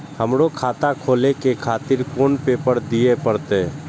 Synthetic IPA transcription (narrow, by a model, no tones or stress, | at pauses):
həmɽokʰaːt̪akʰoːlekekʰaːt̪ɪɾkoːnpeːpəɾd̪iepəɾt̪e